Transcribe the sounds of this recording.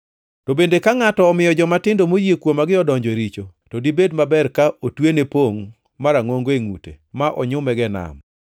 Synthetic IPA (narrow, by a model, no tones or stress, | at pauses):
tobendekaŋatɔːmɪjɔd͡ʒɔmatɪndomojekwomaɡɪɔdɔɲd͡ʒɔɾit͡ʃotodibedmabɛrkaotwenepoŋ | maɾaŋoŋɡoeŋṵtḛmaʔɔɲʊmɛɡɛna̰m